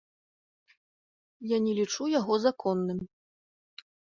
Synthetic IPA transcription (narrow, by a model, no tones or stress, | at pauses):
janʲɛlʲit͡ʂujaɣɔzakʰɔnːɨm